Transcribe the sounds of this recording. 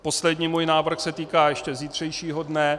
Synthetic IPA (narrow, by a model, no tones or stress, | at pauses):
po̞slɛdɲiːmuːjnaːvr̩xsɛt̪iːkaːjɛʃcɛziːt̪r̥ɛjʃiːɦodnɛ